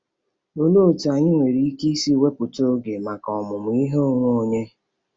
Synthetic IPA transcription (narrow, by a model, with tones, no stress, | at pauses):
o˦no˦˨ta˨ɲɪ˦ŋʷe˨ɾi˨i˦ki˦i˦si˦we˦kʷʊ˨to˦ɡe˨ma˨kɔ˨mʊ˨m̩˨i˦ɦe˦o˦ŋʷu˦o˨ɲe˦